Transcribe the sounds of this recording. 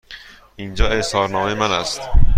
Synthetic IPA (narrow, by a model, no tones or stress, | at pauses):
ʔind͡ʒɒːe̞ʔsɒːɾnɒːmejemænæst̪